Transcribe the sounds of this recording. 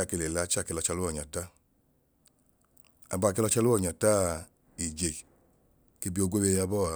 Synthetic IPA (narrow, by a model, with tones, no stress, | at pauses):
a˦˨ke˧le˨la˨˧˦t͡ʃa˦˨ke˧lɔ˧t͡ʃa˧lu˦ɔ˨ɲa˨ta˦ | a̰˧ba˧˨k̬e˧lɔ˧t͡ʃa˧lu˦ɔ˦˨ɲa˨ta˦ | i˨d͡ʒe˨ | ke˧bi˧˦o˧ɡʷe˦we˧ja˧bɔ˦˨a˨